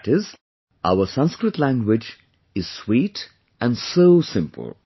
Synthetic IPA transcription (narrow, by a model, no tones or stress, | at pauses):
ʈɪz | ʔa̰ʊəsʌ̃nskɾɨʈlæ̃ŋɡwɪd͡ʒ | ɪz̥swiːʈ | ʔæ̃nsoʊsɪ̃mpʰə̰l̩ˠ